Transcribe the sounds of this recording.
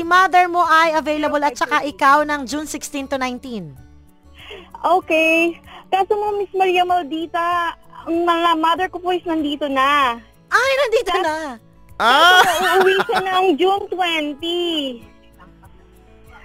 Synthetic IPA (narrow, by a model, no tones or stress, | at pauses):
ɪmad̪ɛɹmo̞ʔɐjɐvejlɐbɐlɐt̪̚t͡ʃɐkaʔɪkawnɐŋd͡ʒunsɪkst̪ĩnt̪unajnt̪in | ʔoːkɛjkaːsomomɪsmɐɾiːɐmɐld̪iːt̪ɐɐŋmɐŋamɐd̪ɛɹkopoʔɪsnɐnd̪iːt̪onɐ | ʔajnɐnd̪iːt̪onɐ | ʔaɐwiːsɐnɐɐŋd͡ʒunt̪wɛnt̪i